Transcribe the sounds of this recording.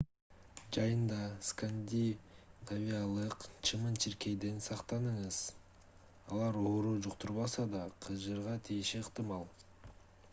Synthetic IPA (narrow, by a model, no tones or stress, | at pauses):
d͡ʒɑjɯnd̪ɑskand̪ʲinavʲijalˠɯqt͡ʃʰɯmɯnt͡ʃʰiɾke̞jd̪ensɑqt̪ɑnɯɴɯz̥ | ɑlˠɑɾoːɾud͡ʒuqt̪uɾβɑsɑd̪ɑqʰɯzd͡ʒɯɾʁɑt̪ʰijʃeːqt̪ɨmɑlˠ